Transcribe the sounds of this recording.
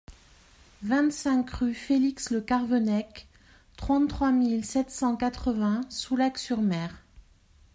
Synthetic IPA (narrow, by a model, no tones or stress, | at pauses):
vɛ̃t̪sɛ̃kʁyfeliksləkaʁvɔnɛk | t̪χɑ̃t̪t̪ːχwamilsɛt̪sɑ̃kat̪χəvɛ̃sulaksyʁmɛːʁ